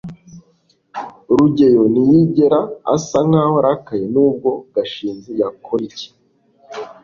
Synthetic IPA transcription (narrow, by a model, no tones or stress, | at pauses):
ɾuɟe̞jonijiɟe̞ɾaa̰saŋ̥aːhoɾakajenuːb̚ɡo̞ɡ̥aʃiːnzijakʰoɾice̥